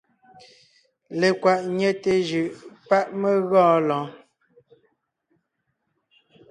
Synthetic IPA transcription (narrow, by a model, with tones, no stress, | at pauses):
le˨kwa˨ʔɲɛ˦te˨d͡ʒʉ˨ʔpa˦ʔme˦ɣɔ̃ː˦lɔ̃ː˨˦